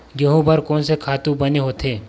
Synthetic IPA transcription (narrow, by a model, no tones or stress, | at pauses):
ɡɐɦũbɐɾkɔːnsekʰaːt̪ũbɐneɦoːt̪ʰeː